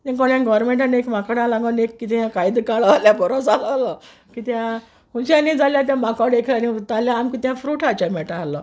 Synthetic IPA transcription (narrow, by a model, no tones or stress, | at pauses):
t̪ãkɔɳjãɡɔɾmeɳʈanekmakaɽãlãɡanekːit̪ijãkaid̪ikaɭaljabɔɾɔ̃d͡zalalɔ | kit̪jã | ɦũɕãnid͡zaljat̪̬jãmakaɽekʰaniut̪aljaːmkit̪jãfɾuːʈat͡ɕamɛʈaalɔ